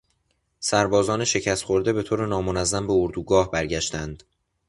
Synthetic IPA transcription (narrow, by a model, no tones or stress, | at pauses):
sæɾbɒːzɒːneʃe̞cʰæst̪χo̞ɾd̪e̞be̞t̪ʰoːɾe̞nɒːmonæzːæmbe̞oɾd̪uːɡɒːhbæɾɟæʃt̪ænd̪̥